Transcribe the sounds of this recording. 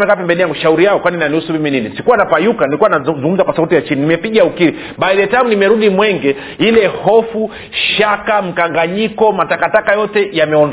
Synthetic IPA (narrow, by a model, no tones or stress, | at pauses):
mɛkapɛmbɛniaŋɡuʃauɾijaɔkwaniinaniusumimininisikuwanapajukanilikuwanazuŋɡum̩zakwasautijat͡ʃininimɛpiɠaukiɾi | ɓaiɾɛtamunimɛɾuɗimwɛŋɡɛ | ilɛhɔfu | ʃakam̩kaŋɡaɲikɔmatakatakajɔtɛjamɛɔn